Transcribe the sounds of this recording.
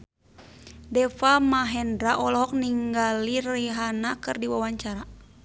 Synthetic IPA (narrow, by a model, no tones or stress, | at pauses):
dɛfamaɦɛndɾaʔɔlɔɦɔk̚niŋɡaliɾiɦanakɨrdiwawaɲt͡ʃaɾa